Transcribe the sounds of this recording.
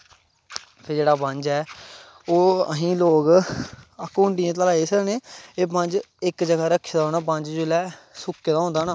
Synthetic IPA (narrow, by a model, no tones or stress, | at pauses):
pʰɪɾd͡ʒeːɽaːpəɲd͡ʒɛː | oːəɦĩːloːk | əkuːɳʈijãːt̪əlaːeːsəkneːeːpəɲd͡ʒ | ɪkd͡ʒəɡaːɾəkʰːd̪aːɦoːnaːp̬əɲd͡ʒd͡ʒʊlɛːsʊkːeːd̪aːɦõnd̪aːnaː